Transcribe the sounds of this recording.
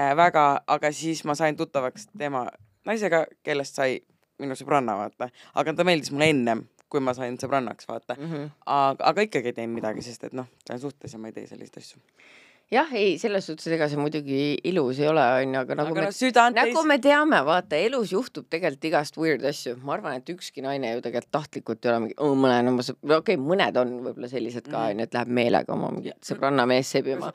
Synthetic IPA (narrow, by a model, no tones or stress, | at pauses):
væɡ̥ɑɑɡ̥ɑsiːsmɑsɑjnt̪ut̪ːˑɑvɑkst̪e̞mɑ̰ | nɑjs̬e̞ɡ̥ɑke̞lːest̪sɑj | minuseb̥rɑnːɑ̰vɑ̰ːt̪ːˑɑɑ̰ɡ̥ɑt̪ɑmeːld̪ismulːe̞nːem | kujmɑsɑjnsebrɾɑnːɑ̰ksvɑ̰ːt̪ˑːɑɑɡɑ̰ɡ̥ɑikˑːɑɡie̞jt̪e̞ːnmid̪̥ɑ̰ɡ̥ise̞st̪e̞t̪no̞t̪eːnsuht̪lesjɑmɑejt̪e̞̰ːse̞̰lːḭst̪ɑsju | jɑhe̞jse̞lːesːut̪ːseɡ̥ɑsemujd̪̥ʲuɡiilus̬ejo̞lɛɑnʲːjuɑɡ̥ɑnɑɡumesyd̪ɑnɑɡume̞t̪e̞ɑmevɑːt̪ˑːɑe̞lusjuht̪ub̥̚t̪e̞ɡ̥e̞lt̪ːˑiɡ̥ɑst̪wiːrd̪ɑsʲjumɑɑrvɑne̞t̪ːˑykskinɑjnejuːt̪e̞ɡ̥elt̪ːɑht̪likːˑult̪ejolemiŋɡiʔomɤlɛnomɑseokːˑe̞jmɯnɛ̰d̪̥o̞nvɯjb̥olːɑse̞lʲːise̞d̪̚kɑɑnʲːuet̪læɦæb̥̚me̞ːlḛɡ̥ɑ̰o̞̰mɑ̰mḭŋɡiseb̥rɑnːɑme̞ːsːebimɑ̰